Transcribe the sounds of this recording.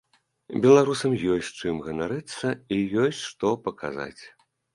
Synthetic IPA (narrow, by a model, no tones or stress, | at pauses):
bʲɛlˠaɾusɐmjɔsʲtʲt͡ʂɨmɣɐnaɾɨt̪sːɐijɔsʲt͡sʲʂt̪ɔpɐka̰za̰t͡sʲ